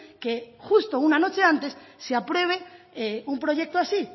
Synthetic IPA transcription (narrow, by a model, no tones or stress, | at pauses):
kexust̪ounano̞t͡ʃe̞ãnt̪e̞sːeapɾwe̞β̞e̞ | eumpɾo̞ʝe̞k̚t̪oasi